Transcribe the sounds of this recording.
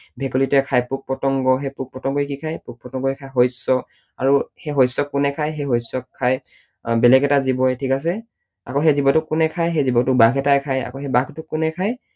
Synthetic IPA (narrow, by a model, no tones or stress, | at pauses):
bʱɛkolitɛkʰajpuk̚pɹɔtɔŋɡɔɦɛpuk̚pɹɔtɔŋɡɔjkikʰajpuk̚pɹɔtɔŋɡɔɛkʰajɦɔjsɔ | a̰ɹuheɦɔjsɔkːunɛkʰajɦɛɦɔjsɔkʰːaj | bɛlɛɡɛtazibɔjtʰikas̬ɛ | a̰koɦɛzibɔtʊkːunɛkʰajɦejzibɔktʊkbakɛtajkʰaja̰koɦɛbaktʊkːʊnɛkʰaj